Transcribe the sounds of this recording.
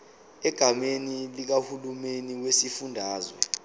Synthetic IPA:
ɛɡ̥ʱamenilik̬ahulumeniwesifundʱaːzwɛ̰

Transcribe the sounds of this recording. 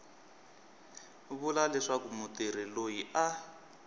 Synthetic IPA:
βulalɛʂakumutiɾilojiʔa

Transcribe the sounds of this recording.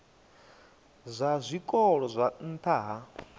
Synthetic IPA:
zʷazʷikʼɔɺɔzʷan̩t̪ʰaɦa

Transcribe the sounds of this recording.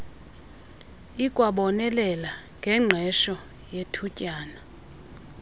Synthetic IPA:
ikʼwaɓɔnɛlɛlaŋɡʱɛŋ͡ǁʱɛʃɔ | jetʰucʼaːna

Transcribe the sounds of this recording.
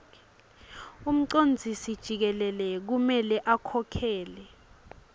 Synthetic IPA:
um̩ǀond͡zʱisid̥ʒ̥ʱik̬ɛlɛlɛk̬umɛlɛʔakʰɔkʰɛːlɛ

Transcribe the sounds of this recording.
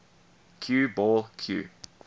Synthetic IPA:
kʰjuːbɔːlkʰjṵː

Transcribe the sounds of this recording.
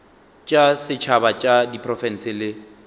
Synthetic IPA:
t͡ʃʼasɪt͡ʃʰabat͡ʃʼadipʰʼrɔfɛn̩sɪlɪ

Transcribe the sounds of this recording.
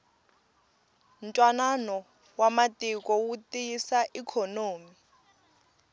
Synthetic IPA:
n̩tʼwananɔ | wamatʼik̬ʼɔwutʼisaʔikʰonoːmi

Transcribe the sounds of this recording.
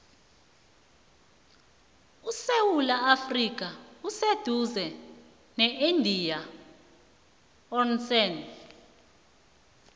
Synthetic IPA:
usewulaafrik̬ʼaused̥ʱuzɛ | nɛʔendʱija | ɔnsɛn

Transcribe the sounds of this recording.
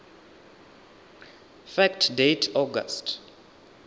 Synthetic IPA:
fɛktʰdetʰɔɡa̰st

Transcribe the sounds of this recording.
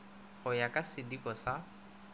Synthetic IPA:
hʊjakʼasɪdikʼɔsa

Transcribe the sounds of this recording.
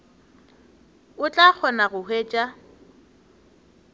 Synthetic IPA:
ʊt͡ɬʼak͡xʰɔnaɣʊɦweːt͡ʃʼa

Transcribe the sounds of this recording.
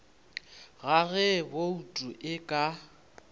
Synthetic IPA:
ɣaɣɛboutʼuʔɪkʼa

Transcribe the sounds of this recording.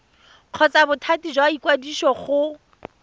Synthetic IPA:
q͡χʰɔt͡sabʊtʰatid͡ʒwaikwadiʃɔχʊ

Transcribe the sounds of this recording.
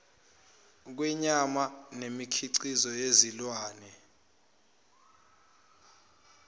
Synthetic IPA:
k̬wɛɲamanemikʰiǀizɔjezilwaːnɛ

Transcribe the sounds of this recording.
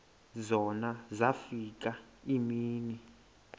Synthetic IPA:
zɔnazafik̬ʼaimiːni

